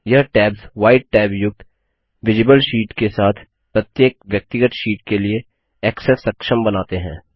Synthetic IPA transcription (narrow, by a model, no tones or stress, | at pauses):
jɐɦʈɛːbzʋaːɪʈ̚ʈɛːbjʊk̚t̪ | ʋɪd͡ʒɪbəlʃiːʈkesaːt̪ʰ | pɾɐt̪jeːk̚ʋjɐk̚t̪ɪɡət̪ʃiːʈkelie | ɛːksɛsːɐkʃəmbɐnaːt̪eɦɛ̰̃ː